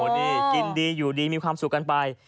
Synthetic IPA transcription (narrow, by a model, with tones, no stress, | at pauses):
ɔ˨˩de˧ki˧ndiː˧juː˨˩diː˧miː˧kʰwaː˧msu˨˩kːa˧npa˧j